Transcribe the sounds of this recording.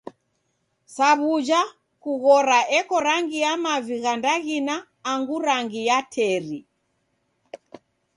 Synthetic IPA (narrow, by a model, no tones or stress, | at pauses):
saβud͡ʒa | kuɣɔɾaʔɛkɔɾaŋɡijamaviɣandaɣinaː | ŋɡuɾaŋɡijatʰɛɾi